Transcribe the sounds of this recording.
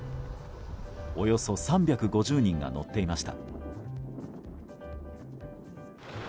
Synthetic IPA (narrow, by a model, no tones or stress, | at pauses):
o̞jo̞so̞sãmbʲakɯ̟ɡo̞ʑɨːɲ̟ĩŋɡa̰no̞̰t̪ːe̞imaɕi̥t̪a̰